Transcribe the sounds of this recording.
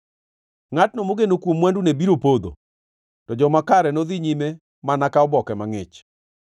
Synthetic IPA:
ŋatnomoɡenokwomwandunebiɾopod̪o̰ | tɔd͡ʒɔmakaɾɛnɔðɪɲime | manakaɔbɔkɛmaŋɪt͡ʃ

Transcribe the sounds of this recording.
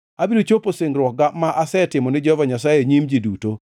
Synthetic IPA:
abidot͡ʃoposeŋɡɾwɔk̚ɡamaʔasɛtɪmɔnɪd͡ʒɔvaɲasajeɲimd͡ʒiduto

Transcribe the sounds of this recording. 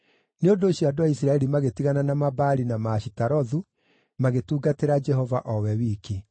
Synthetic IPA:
neondoːɕiadoaisɾaɛɾimaɣetiɣananamabaːɾinamaːɕitaɾɔðu | maɣetuːɡateɾad͡ʒɛhɔvaʔɔwɛwike

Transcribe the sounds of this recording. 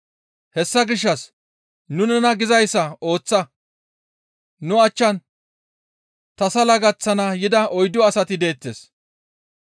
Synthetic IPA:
hɛsːɐɡɪʃːɐs | nʊnɛnɐɡɪzɐjsːɐo̞ːt͡sːɐ | nʊɐt͡ʃːɐn | t̪ɐsɐlɐɡɐt͡sːɐnɐjɪd̪ɐʔɔjd̪ɔɐsɐt̪ɪd̪e̞ːt̪ːeːs

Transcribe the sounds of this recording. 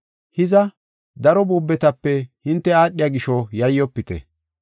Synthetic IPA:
hɪzɐ | d̪ɐɾɔbuːbːɛt̪ɐpːɛhɪnt̪ːɛaːɗːɪjaɡɪʃɔjɐjːɔpːɪt̪ɛ̰

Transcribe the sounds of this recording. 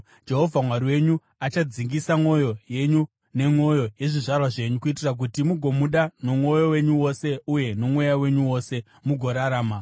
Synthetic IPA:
d͡ʒe̞ɦo̞vʱamwariwe̞ɲu | at͡ʃad͡ziŋɡisamo̞jo̞je̞ɲu | ne̞mwo̞jo̞je̞ʐiʐarwaʐe̞ɲukuitirak̬utimuɡʱo̞muɗano̞mwo̞jo̞we̞ɲuwo̞se̞uje̞no̞mwe̞jawe̞ɲuwo̞se̞ | muɡʱo̞ɾaɾaːma

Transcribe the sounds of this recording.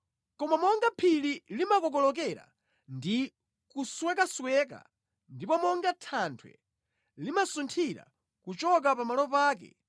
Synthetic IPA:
kɔmamɔŋɡapʰililimakɔk̬ɔlɔk̬ɛɾa̰ | ndi | kuswɛkaswɛka̰ | ndipɔmɔŋɡatʰantʰwɛ̰ | limasuntʰiɾa̰ | kut͡ʃɔk̬apamalɔpaːkɛ̰

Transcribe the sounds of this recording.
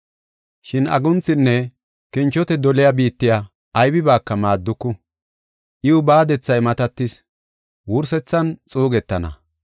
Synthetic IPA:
ʃɪnɐ̰ɡʊnt͡sːɪnːɛ | kɪnt͡ʃːɔt̪ɛd̪ɔlɪjabiːt̪ːɪjaː | jbɪbaːkːɐmaːd̪ːʊkːʊ | ʔɪʊbaːd̪ɛt͡sːɐjmɐt̪ɐt̪ːɪs | wʊɾsɛt͡sːɐnt͡sʼuːɡɛt̪ːɐnɐ̰

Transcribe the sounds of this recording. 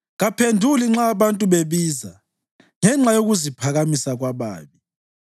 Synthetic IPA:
ɣapʰendʱuliŋ͡ǁaːβantʼuβeβiːza | ŋɛŋ͡ǁajoɣuzipʰaɣamisaɣwaβa̰ːβi

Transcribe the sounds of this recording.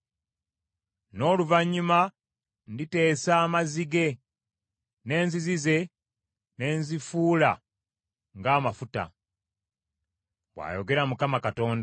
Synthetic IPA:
no̞ːluvaɲːuma | ndite̞ːsaːmaziɡe̞ | ne̞ːnzizize̞ | ne̞ːnzifuːla̰ | ŋɡaːmafuta̰ | βwa̰ːjo̞ɡe̞ɾamukamakato̞ːnda

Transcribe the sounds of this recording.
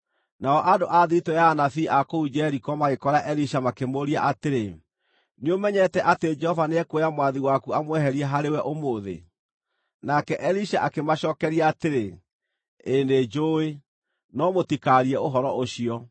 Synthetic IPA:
naɔʔadoʔaðiitɔjaːnafiːʔakoud͡ʒɛɾikɔmaɣekɔɾaʔɛɾiʃamakemoɾia̰ʔateɾe | neomɛɲɛtɛʔated͡ʒɛhɔvaneɛkwejamwaðiwakuamwɛhɛɾiɛɦaɾewɛʔomoːðḛ | nakɛʔɛɾiʃaʔakemaɕɔkɛɾiaːteɾe | ended͡ʒoːe | nɔmotikaɾiɛoɦɔɾɔʔoɕiɔ

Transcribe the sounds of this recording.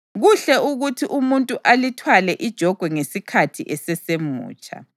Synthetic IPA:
ɣuɬɛuɣutʰiʔumuntʼuʔalitʰwalɛʔid̥ʒ̥ʱɔɡ̥ʱwɛŋesikʰatʰiʔɛsɛsemṵːt͡ʃʼa̰

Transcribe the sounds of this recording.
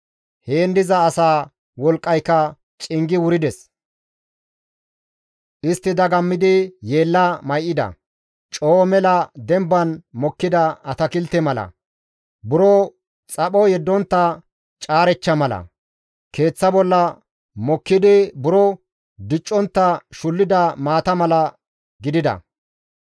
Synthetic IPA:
heːnd̪ɪzɐːsaː | wɔlkʼːɐjkːɐ | t͡ʃʼɪŋɡɪwʊɾɪd̪ɛs | ʔɪst̪ːɪd̪ɐɡɐmːɪd̪ɪje̞ːlːɐmɐjʔɪd̪ɐ̰ | t͡ʃʼoːmɛlɐd̪ɛmbːɐnmɔkːɪd̪ɐɐt̪ɐkɪlt̪ɛmɐlɐ̰ | bʊɾɔ | t͡sʼɐpɔjɛd̪ːɔnt̪ːɐ | t͡ʃʼaːɾɛt͡ʃːɐmɐlɐ̰ | ke̞ːt͡sːɐbɔlːɐ | mɔkːɪd̪ɪbʊɾɔ | d̪ɪt͡ʃʼːɔnt̪ːɐʃʊlːɪd̪ɐmaːt̪ɐmɐlɐ | ɡɪd̪ɪd̪ɐ̰

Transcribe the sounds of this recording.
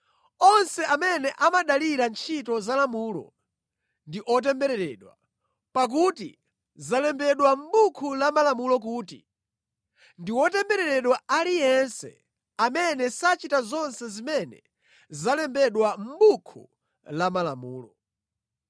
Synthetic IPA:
ɔnsɛʔamɛnɛʔamaɗaliɾant͡ʃʰitɔzalamuːlɔ̰ | ndiʔɔt̬ɛmbɛɾɛɾɛːɗwa̰ | pak̬utḭ | zalɛmbɛɗwam̩ɓukʰulamalamulɔk̬uːtḭ | ndiwɔtɛmbɛɾɛɾɛɗwaalijɛnsɛ̰ | amɛnɛsat͡ʃitazɔnsɛzimɛnɛ̰ | zalɛmbɛɗwam̩bukʰṵ | lamalamuːlɔ

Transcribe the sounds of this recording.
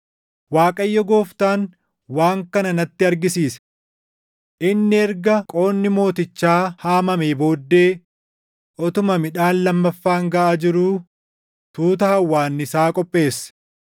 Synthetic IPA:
waːkʼɐjːɔɡo̞ːft̪aːn | waːŋkɐnɐnɐt̪ːɪɐɾɡɪsiːsɐ̥ | ʔɪnːɪɛɾɡɐkʼo̞ːnːɪmo̞ːt̪ɪt͡ʃːaːhaːmɐmeːbo̞ːd̪ːe̞ː | ʔɔt̪ʊmɐmɪᶑaːnlɐmːɐfːaːŋɡɐʔaːd͡ʒɪɾuː | t̪uːt̪ɐhɐwːaːnːɪsaːkʼɔpʼːe̞ːsːɐ̥

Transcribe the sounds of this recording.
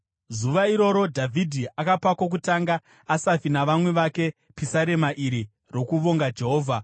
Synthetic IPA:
zuʋaiɾo̞ɾo̞dʱavʱidʱiakapakok̬utaŋɡaː | safinaʋamwe̞ʋake̞ | pisaɾe̞maʔiɾi | ro̞kuʋo̞ŋɡad͡ʒe̞ɦoːvʱa

